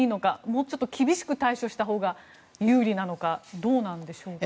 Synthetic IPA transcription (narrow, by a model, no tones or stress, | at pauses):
iːno̞kamoːt͡ɕo̞t̪ːokʲibʲiɕi̥kɯ̟t̪aiɕo̞ɕi̥t̪aɦo̞ːɡa | jɯːɾʲinano̞kad̪o̞ːnãnd̪e̞ɕo̞ːk